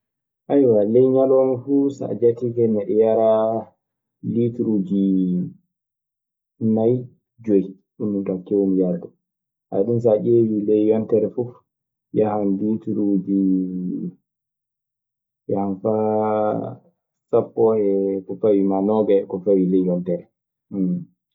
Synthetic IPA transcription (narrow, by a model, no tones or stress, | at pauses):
ʔajwalɛjɲalɔmifusa̰d͡ʒatikɛmɛɗɛjaɾa | litɾud͡ʒi | naj | d͡ʒoj | ɗumːuntakewmjaɾdɔ | ha̰ɗums̬aʔewilɛjwantɛɾɛfuf | jahanlitɾud͡ʒi | jahanfa | sapːɔhɛkɔfawimanɔɡakɔfawilɛjːɔntɛɾɛ